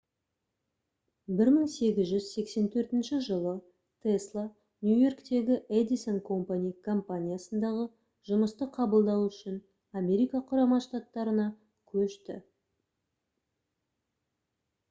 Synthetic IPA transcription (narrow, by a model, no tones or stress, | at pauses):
bɪɾməɴse̞ɡʲɪzʒʏzse̞kse̞nt̪ʰɵɾt̪ɪnʃɪʒəlˠə | t̪ʰeslˠa | nʲjujo̞rkt̪e̞ɡʲɪʔed̪iso̞nkʰo̞mpanʲijkʰo̞mpanʲijasənd̪ɑʁə | ʒʊməst̪əqʰɑbəlˠd̪ɑwʏʃɪn | amʲe̞ɾijkɑqʰʊɾɑmɑʃt̪at̪ːɑɾənɑ | kʲʰɵʃt̪ɪ̰